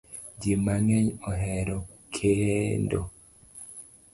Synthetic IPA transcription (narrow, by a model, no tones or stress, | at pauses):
d͡ʒimaŋɛɲɔɦɛɾo | kʰendo